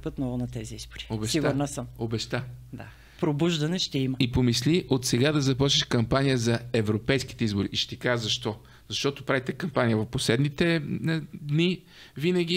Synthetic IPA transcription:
pət̪nɔvʊnɐt̪ɛziizboɾi̥obɛʃivəɾnasəmobɛʃt̪ad̪a | pɾobuʒd̪ɐnɛʃt̪ɛiməipomisliʔot̪sɛɡad̪ɐzɐpɔt͡ʃniʃkɐmpanijəzɐɛvɾopɛjsk̟it̪ɛizboɾiʔʃt̪ɛkaʒzɐʃt̪ɔ | z̥ɐʃt̪ɔt̪opɾavit̪ɛkɐmpanijəvɐfposlɛd̪nit̪ɛ | d̪ni | vinɐɡ̟ʲi

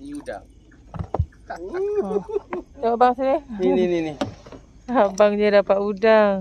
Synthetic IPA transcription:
da | nɔʔbaŋsineininini | abaŋɲadapaʔudaŋ

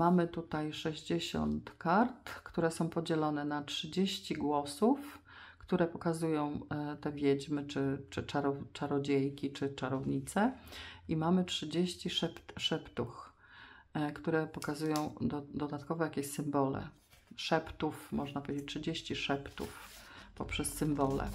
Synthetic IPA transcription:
mamɘt̪ut̪ajʂɛʑd͡ʑeɕɔ̰nt̪kaɾt̪kt̪uɾɛsɔ̃w̃pɔd͡ʑɛlɔnɛnatʂɘd͡ʑeɕt͡ɕiɡwɔsuf | kt̪uɾɛpɔkazujɔ̃w̃t̪ɛvʲjed͡ʑmɘt͡ʂɘt͡ʂɘt͡ʂaɾɔt͡ʂaɾɔd͡ʑejkʲit͡ʂɘt͡ʂaɾɔvɲit̪sɛimamɘtʂɘd͡ʑeɕt͡ɕiʂɛpt̪ʂɛpt̪ux | kt̪uɾɛpɔkazujɔ̃w̃d̪d̪ɔd̪at̪kɔvɛjakʲeɕsɘmbɔlɛ̰ | ʂɛpt̪ufmɔʐnapɔvʲed͡ʑet͡ɕ̚tʂɘd͡ʑeɕt͡ɕiʂɛpt̪ṵfpɔpʂɛsːɘmbɔlɛ̰

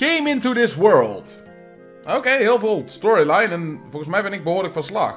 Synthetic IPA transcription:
kẽjmɪ̃ntudɪswɜɹlˠt | oːkejɦɪːlˠvɪːlˠstɔɹilajnɛnvɔlˠɣənsmɛjvɪnɪɡ̚bəɦʊːɹdəɪkfəslɑ̰x

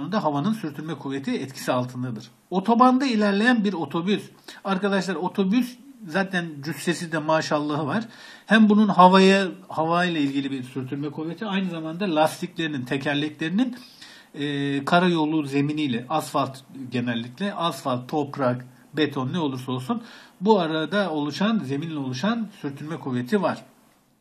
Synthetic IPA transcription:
ound̪aɦavanɯnsyɾt̪ʰyɾmɛkʰuvːet̪ʰiɛt̪cʰi̥sialˠt̪ʰɯnd̪ad̪ɯɾ̥ | o̞t̪ʰo̞band̪ailʲæɾlʲe̞jænbiɾo̞t̪ʰo̞bys | aɾkad̪aʃlˠaɾo̞t̪ʰo̞byszaːt̪ʰænd͡ʒysːe̞sid̪ɛmaːʃalˠːɯɦɯvaɾ̥ | hæmbununɦavajahavaːjlˠailʲɟilʲibiɾsyɾt̪ʰyɾmɛkʰuve̞t̪ʰiajnɯzamand̪alʲˠast̪ʰiclʲe̞ɾinint̪ʰe̞cʰæɾlʲiclʲe̞ɾininː | kʰaɾajo̞lˠːuze̞minijlʲɛʔazfalˠt̪ɟe̞nɛlʲːicʲlʲɛʔazfalˠt̪ʰːo̞pɾak | bet̪ʰo̞nːɛolˠuɾso̞lˠsunbuaɾad̪ao̞lˠuʃanze̞minlʲɛo̞lˠuʃansyɾt̪ʰyɾmɛkʰuve̞t̪ʰivaɾ̝̥

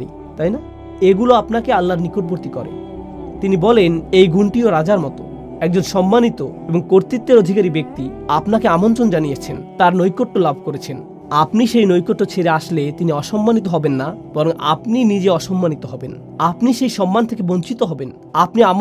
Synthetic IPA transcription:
i | t̪ajna | eɡuloapnakealːaɾnikoʈ̚boɾt̪ikɔɾḛ | t̪inibɔlenejɡuɳʈioɾad͡ʑaɾmɔt̪o | ɛk̚d͡ʑonʃɔmːanit̪oeboŋkoɾt̪it̪ːeɾod̪ʱikaɾibek̚t̪i | apnakeamont̪ɾond͡ʑanijet͡ɕʰent̪aɾnojkoʈːolabʱkoɾet͡ɕʰen | apniʃejnojkoʈːot͡ɕʰeɾeaʃlet̪iniɔʃɔmːanit̪̬oɦɔbenːab̥ɔɾoŋʔa̰pninid͡ʑeɔʃɔmːanit̪oɦɔben | apniʃejʃɔmːant̪ʰekeboɲt͡ɕit̪oɦɔben | apnia

